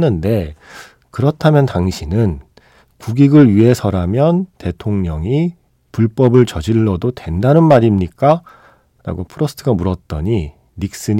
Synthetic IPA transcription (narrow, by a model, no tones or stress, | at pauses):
nɯnde̞ | kɯɾʌtʰamjʌntaŋɕʰinɯn | kuɡiɡɯɭɥiɦe̞sʰʌɾamjʌnte̞tʰoŋɲʌŋi | puɭp͈ʌbɯɭt͡ɕʌd͡ʑiɭːʌdotwe̞ndanɯnmaɾimɲik͈a | ɾa̰ɡopʰɯɾʌsʰɯ̥tʰɯɡamuɾʌt̚t͈ʌɲi | ɾik̚s͈ɯɲ